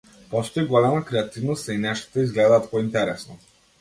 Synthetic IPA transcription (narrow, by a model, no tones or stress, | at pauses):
pɔst̪ɔiɡɔlɛmakɾɛat̪ivnɔst̪ainɛʃt̪ḁt̪aizɡlɛd̪aːt̪pɔint̪ɛɾɛsnɔ